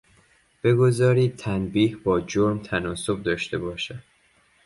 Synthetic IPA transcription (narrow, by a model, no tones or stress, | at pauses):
b̥e̞ɡo̞zɒːɾiːd̪̚t̪ʰænbiːhbɒːd͡ʒoɾmt̪ʰænɒːso̞bd̪ɒːʃt̪e̞bɒːʃæd̪